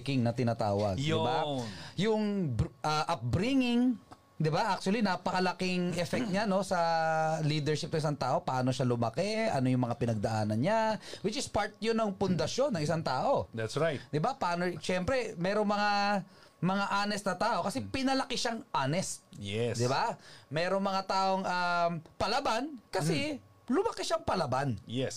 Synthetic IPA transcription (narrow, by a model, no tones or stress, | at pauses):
kɪŋnɐt̪ɪnaːt̪a̰ːwɐ̰ɡɪbajʊŋʔɐʔɐp̚bɾɪŋɪŋ | d̪ɪbaʔak̚t͡ʃʊɐlinaːpɐkɐlɐkɪŋʔɛfɛk̚t̪̚ɲano̞sɐliːd̪ɛɹʃɪpnɐŋɪsaŋt̪aːʔo̞pɐʔaːnoʃalʊmɐkɛʔɐ̰no̞jʊŋmɐŋapɪnɐɡ̚d̪ɐʔaːnɐnɲawɪt͡ʃɪspaɹt̪̚jʊnɐŋpʊnd̪ɐʃo̞nːɐŋɪsaŋt̪aːʔo̞d̪æt̪sɹajt̪d̪ɪbapɐaʔːnoʃɛmpɾɛmɛːɾoŋmɐŋa | mɐŋaʔaːnɛst̪nɐt̪aːʔo̞kɐsɛpɪnɐlɐkɪʃaŋʔaːnɛst̪̚jɛsd̪ɪbamɛːɾoŋmɐŋat̪aːʔo̞ŋʔɐpɐlɐbankɐsɛ | lʊmɐkɪʃaŋpɐlɐbanjɛs